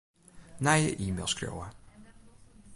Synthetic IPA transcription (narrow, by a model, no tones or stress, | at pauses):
naːjə̰ʔiːmḛlˠskro̰wa